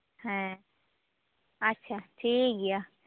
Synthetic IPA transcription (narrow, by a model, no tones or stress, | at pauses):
hɛ̃ | ɐtːʃʰaʈʰiːkɡija